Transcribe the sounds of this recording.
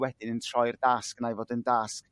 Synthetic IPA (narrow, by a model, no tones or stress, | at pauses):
wɛdɪnəntʰr̥ɔjrdasknajvoːdəndask